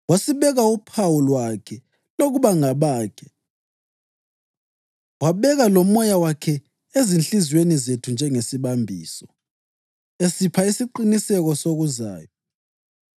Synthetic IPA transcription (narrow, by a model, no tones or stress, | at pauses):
wasiβɛɣaupʰawulwakʰɛ | loɣuβaŋaβaːkʰɛ | waβɛɣalomɔjawakʰɛ | ezinɬizwenizetʰund͡ʒʱɛŋesiβambʱiːsɔ | esipʰaisiǃinisɛɣɔsoɣuza̰ːjɔ